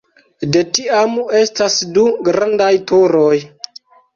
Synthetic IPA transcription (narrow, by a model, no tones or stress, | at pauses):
de̞tiame̞stasduɡɾandajtoɾo̞j